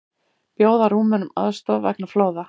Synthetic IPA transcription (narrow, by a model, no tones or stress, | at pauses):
pjoːwðaɾuːmɛnʏma̰ðst̪ɔvɛ̰knafloːwða